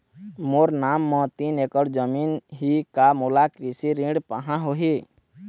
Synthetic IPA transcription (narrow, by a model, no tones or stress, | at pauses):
moːɾnaːmːɔ̃t̪inekəɾd͡ʒəmiːnɦikamulakɾisiɾĩɖpəɦãɦoɦi